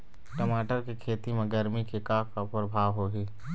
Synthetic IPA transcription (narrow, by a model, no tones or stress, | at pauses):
ʈəmaːʈəɾkikʰeːt̪imẽɡəɾmikekaːkkapɾəbʱaːʋɦoːɡiː